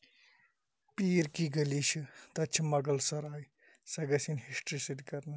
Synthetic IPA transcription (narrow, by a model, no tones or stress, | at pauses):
piːɾkiɡɐliʃʰit̪ɐt͡ʃʰimɐɡɐlsɐɾaːj | sɐɡɐsinhisʈɾisid̪ikɐɾnɨ